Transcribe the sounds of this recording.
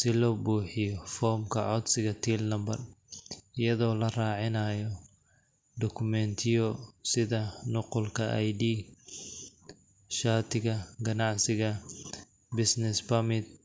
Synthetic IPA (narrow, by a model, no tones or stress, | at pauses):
sɪlɔːbuːħɪjɔfɔːrmkʰɐʕɔd̪sɪɣɐt̪ʰiːlnɐmbɐr | ɪjɐðɔːlɐraːʕɪnaːjɔ | ɖ̪ɔkʰʊmɛnt̪ʰɪjɔsɪðɐnʊqʊlkʰɐʔɐ̰jɖiː | ʃaːrt̪ʰɪɣɐɡɐnɑʕsɪɣɐ | bɪsnɪspɐmɪt̪̚